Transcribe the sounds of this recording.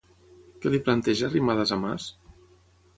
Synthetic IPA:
kɛliplant̪ɛʒaːrimaðəzama̰s

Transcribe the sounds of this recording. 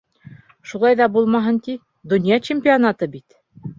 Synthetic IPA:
ʃulˠɑjðɑbulˠmɑɦɤnt̪i | d̪ŏnjɑt͡ɕemʲpʲionat̪ɤbit̪

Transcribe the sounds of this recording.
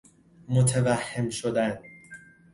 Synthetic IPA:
mot̪ʰevæhːemʃod̪æn

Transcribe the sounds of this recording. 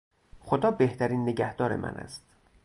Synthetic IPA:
χod̪ɒːbe̞ht̪ʰæɾiːnːeɟæhd̪ɒːɾḛmʔæ̰nʔæ̰st̪

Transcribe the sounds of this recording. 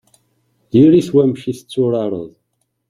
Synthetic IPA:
ðiɾiθwæmʃiθt͡sːuɾɑɾˤə̰ðˤ

